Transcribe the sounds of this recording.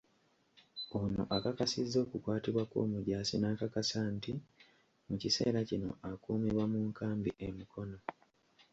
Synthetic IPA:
ono̞̰ʔakakasizːo̞ːkukwaːtiβwako̰ːmuɟaːsinaːkakasanti | mucise̞̰ːɾacino̞̰akuːmiβwamuːŋkaːmbiʔemikʰo̞no̞

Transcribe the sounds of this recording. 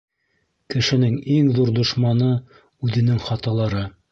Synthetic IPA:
kɘ̆ʃɘ̆nɘŋiŋðuɾd̪ŏʃmɑnɤ | ʉðɘ̆nɘŋχɑt̪ɑlˠɑɾɤ

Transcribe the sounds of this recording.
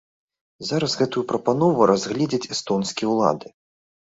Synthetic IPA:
zaɾɐzɣɛt̪ujupɾɐpanɔvuɾʔazɣlʲɛd͡zʲit͡sʲɛst̪ɔnskʲijɛwlˠa̰d̪ɨ

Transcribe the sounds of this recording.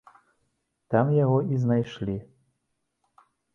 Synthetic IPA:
t̪amjaɣɔʔiznajʃlʲi

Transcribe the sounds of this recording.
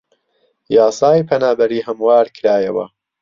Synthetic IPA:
jɑːsɑːjpʰɐnaːbɐɾiːhɐmwaːɾkʰɨɾaːjɐwɐ̰

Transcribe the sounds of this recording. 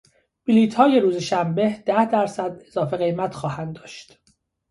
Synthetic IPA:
b̥iliːt̪ʰhɒːje̞ɾuːzeʃæmbe̞hd̪̥æhd̪æɾsæd̪e̞zɒːfeɣe̞jmæt̪ʰxɒːhænd̪ːɒːʃt̪

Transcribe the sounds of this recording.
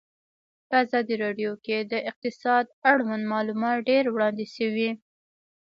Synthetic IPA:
pəazɑd̪iɾɑɖjoked̪əʔɪq̚t̪ɪsɑd̪aɽwand̪mɑlumɑt̪ɖeɾwɽɑnd̪iʃəwi

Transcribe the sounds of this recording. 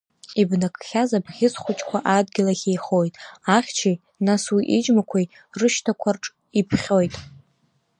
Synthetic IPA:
ibnakʰʼχʲazabʁʲɪzχʷʊt͡ʃʼkʷʰaʔadɡʲilaχʲejχo̞jtʼaχʲt͡ʃʰi | naswiʔid͡ʒmakʷʰaj | rɨʃtʰakʷʰarʈ͡ʂʼ | ipʰχʲo̞jtʼ

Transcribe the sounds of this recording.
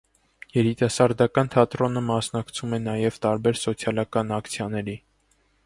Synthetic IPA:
jɛɾit̪ɑsɑɾd̪ɑkɑnt̪ʰɑt̪ɾɔnəmɑsnɑkt͡sʰumɛnɑjɛvt̪ɑɾbɛɾsɔt͡sʰjɑlɑkɑnɑkt͡sʰjɑnɛɾi

